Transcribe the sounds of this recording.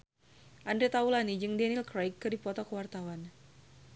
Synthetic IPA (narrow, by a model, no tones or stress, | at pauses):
ʔandɾet̪aulanid͡ʒɨŋdɛnilkɾajkːɨrdipɔt̪ɔkəwart̪awan